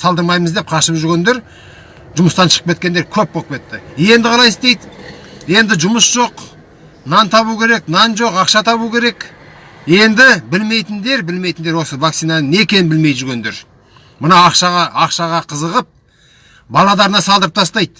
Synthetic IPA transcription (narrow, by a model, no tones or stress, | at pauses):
sɑlˠd̪əɾmɑjməzd̪e̞p̚qʰɑʃəpʒʏɾɡʲe̞nd̪e̞ɾ | ʒʊməst̪ɑnʃəʁ̥əpket̪kʲed̪eɾkʲʰɵp̚bopʲe̞t̪ːɪe̞nd̪ɪqʰɑlˠɑjɪst̪e̞jd̪je̞nd̪ɪʒʊməsʒ̥o̞q | nɑnt̪ʰɑβukʲʰe̞ɾe̞knɑnʒo̞qɑqʃɑt̪ʰɑβukʲʰe̞ɾe̞kje̞nd̪ɪbɪlme̞jt̪ɪnd̪e̞ɾbɪlme̞jt̪ɪnd̪eɾwo̞səvakt̪ijnane̞kʲʰe̞nbɪlme̞j̪ʒʏɾɡʲe̞nd̪e̞ɾ | mənɑɑqʃɑʁɑɑqʃɑʁɑqʰəzəʁəp̚ | bɑlˠɑd̪ɑɾənɑsɑlˠd̪əɾəp̚t̪ʰɑst̪ɑjd̪̥